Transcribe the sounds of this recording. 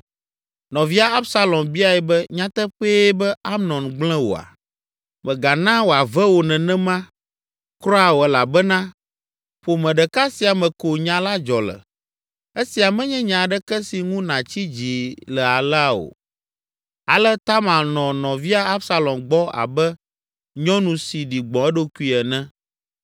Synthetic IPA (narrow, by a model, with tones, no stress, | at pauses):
nɔ̃˨vi˦a˨a˦bsa˦lɔ̃˨mbi˦a˨ɛ˨bɛ˦ɲã˦t̪ɛ˦ɸeː˦bɛ˦a˦mnɔ̃˨nɡ͡blɛ̃˦wo̰˨a̰˨ | mɛ̃˨ɡa˨nã˦wo˨a˨vɛ˦wo˨nɛ̃˨nɛ̃˦mã˦ | kɾɔ˦a˨wo˨ɛ˨la˨bɛ˦nã˦ | ɸo˨mɛ̃˨ɖɛ˨ka˦si˨a˨mɛ̃˨ko˨ɲã˨˦la˦d͡ʒɔ˨lə̰˨ | e˦si˨a˨mɛ̃˦ɲɛ̃˦ɲã˨ɖɛ˦kɛ˦si˨ŋũ˦nã˨t͡ɕi˦d͡ʑi˨lɛ˨a˨la˨wo̰˨ | a̰˨lɛ˦t̪a˦mã˨lnɔ̃˨nɔ̃˨vi˦a˦a˦bsa˦lɔ˨mɡ͡bɔ˦a̰˨bɛ˦ | ɲɔ̃˦nũ˨si˨ɖi˨ɡ͡bɔ̃˨ɛ˦ɖo˦ku˦i˦ɛ˨nɛ̃˦